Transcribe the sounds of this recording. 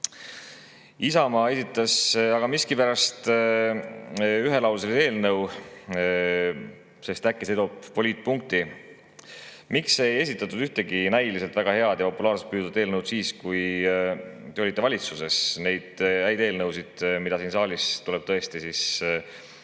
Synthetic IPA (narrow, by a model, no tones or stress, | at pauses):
isɑmɑe̞sit̪ːˑɑsɑɡ̥ɑmiskipæɾɑst̪ | yɦe̞lɑwlselid̪e̞ːlnɤw | se̞st̪ækːese̞d̪o̞bpo̞lʲiːt̪̚ˑpuŋk̚t̪i | mikse̞je̞s̬it̪ːˑɑt̪ːud̪yht̪e̞ɡinæjlise̞lt̪væɡ̥ɑhe̞ɑd̪̥jɑpo̞pːulɑːrset̪̚pyːd̪uvɑd̪eːlnɤwd̪̥siːskuj | t̪eo̞lit̪ːˑe̞vɑlʲit̪suse̞sne̞jd̪̥æjd̪e̞ːlnɤwsid̪̥mid̪̥ɑsiːnsɑːlist̪ule̞b̥̚t̪ɤ̞e̞st̪isis